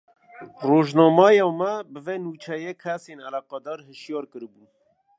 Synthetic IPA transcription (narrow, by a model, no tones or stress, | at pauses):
roːʒnɑːmɑjɑmɛbɨveːnuːt͡ʃʰɛjekʰæseːnalɑːqɑd̪ɑːɾhɨʃjɑːɾkɨɾbuːn